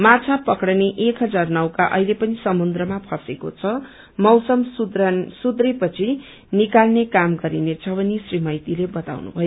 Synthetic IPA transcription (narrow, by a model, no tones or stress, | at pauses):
mat͡sʰapʌkɽneʔekɦʌd͡zarnʌwkaʔʌ̰jlepʌnisʌmund̪rʌmapʰʌsekot͡sʰʌ | mʌwsʌmsud̪sud̪repʌt͡sʰi | nikalnekamɡʌɾinet͡sʰʌbʌnisrimʌjt̪ilebʌt̪a̰wnṵbʱʌjo